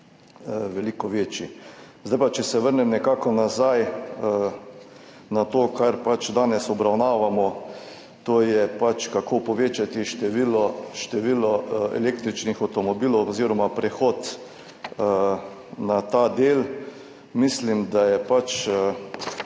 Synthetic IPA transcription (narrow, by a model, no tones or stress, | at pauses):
ʋɛlikɔʋeːt͡ʃizd̪ajpat͡ʃɛsɛʋəɾnɛmnɛkaːkɔnazaj | nat̪oːkʰaɾpat͡ʃd̪aːnɛsɔbɾawnaːʋamɔ | t̪oːjɛpat͡ʃkakʰoːpɔʋeːt͡ʃat̪iʃt̪ɛʋilɔʃt̪ɛʋiːlɔɛ̰leːk̚t̪ɾit͡ʃnixawt̪ɔmɔbiːlɔwɔziːɾɔmapɾɛxoːt̪ | nat̪aːd̪eːl | mislimd̪ajɛpat͡ʃə